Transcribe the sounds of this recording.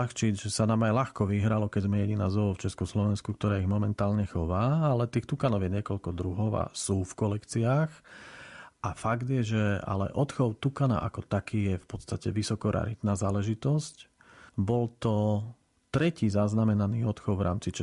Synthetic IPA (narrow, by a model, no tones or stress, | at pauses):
axt͡ʃid͡zʒɛsanaːmajlaxkɔʋiɦɾalɔkɛɟzmɛjɛɟinaːzɔɔft͡ʃɛskɔslɔʋɛnskuk̚t̪ɔɾaːiɣmɔmɛnt̪aːlɲɛxɔʋaːalɛt̪iːxt̪ukanɔʊjɛɲɪɛkɔʎkɔd̪ɾuɦɔʊa̰suːfkɔlɛkt͡siaːx | ʔafaɡd̪ɪjɛʒɛa̰lɛ̰ʔɔt̪xɔʊt̪ukana̰ʔakɔt̪akiːjɛfpɔt̪st̪acɛʋisɔkɔɾa̰ɾit̪naːzaːlɛʒit̪ɔsc | bɔlt̪ɔ | t̪ɾɛciːzaznamɛnaniːɔt̪xɔʊʋɾʔa̰ːmt͡sit͡ʃɛ